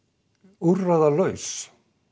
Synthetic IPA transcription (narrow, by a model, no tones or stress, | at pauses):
urːaðalœɥs